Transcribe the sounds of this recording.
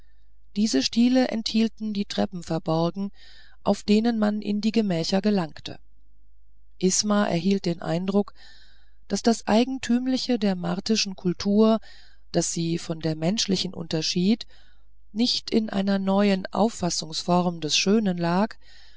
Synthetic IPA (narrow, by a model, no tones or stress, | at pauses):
d̥iːzəʃtiːləʔɛ̰nthiːltn̩diːtʁ̥ɛ̰pm̩fɛɐbɔʁɡŋ̩ | ʔaʊfd̥eːnənmanʔɪ̰ndiːɡəmɛːçɐɡəlaŋktʰə̰ | ʔɪsmaʔɛ̰ɐɦiːlt̚d̥eːnʔa̰ɪndʁʊk | d̥asd̥asʔa̰ɪɡŋ̩tʰyːmlɪçədeːɐma̰ʁtɪʃn̩kʰʊltʰuːɐ | d̥asz̥iːfɔndeːɐmɛnʃlɪçn̩ʔʊ̰ntɐʃiːt | nɪçtɪnʔa̰ɪnɐnɔʏənʔa̰ʊfasʊŋsfɔʁmdɛsʃøːnənlaːk